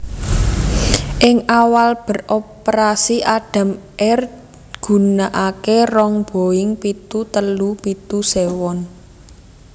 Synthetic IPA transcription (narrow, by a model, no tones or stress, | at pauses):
ʔɪŋʔawalb̥ə̤rʔopɾasiʔaɖ̥a̤m | ɛr | ɡ̥ṳnaʔakerɔŋb̥o̤ɪŋpit̪ut̪əlupit̪usewɔn